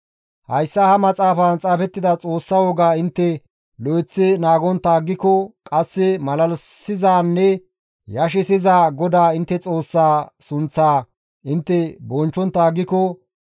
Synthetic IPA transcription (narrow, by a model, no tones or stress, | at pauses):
hɐjsːahɐmɐt͡sʼaːfɐnt͡sʼaːfɛt̪ːɪd̪ɐt͡sʼo̞ːsːɐwɔɡaːɪnt̪ːɛ | lɔɛt͡sːɪnaːɡɔnt̪ːaːɡːɪkɔkʼɐsːɪmɐlɐlsɪzaːnːɛ | jɐʃ̬ɛsɪzaːɡɔd̪aːɪnt̪ːɛt͡sʼo̞ːsːaːsʊnt͡sːaː | ʔɪnt̪ːɛbɔnt͡ʃːɔnt̪ːaːɡːɪkɔ